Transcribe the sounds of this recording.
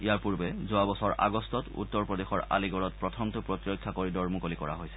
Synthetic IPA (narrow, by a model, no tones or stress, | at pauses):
ijaɹpuɹbɛzʊabɔsɔɹa̰ɡɔstɔtṵtːɔɹpɹɔdexɔɹa̰liɡɔɹɔt̚pɹɔtʰɔmtʊpɹotiɹojkʰːakoɹidɔɹmukolikɔɹa̰ɦojsɛ̥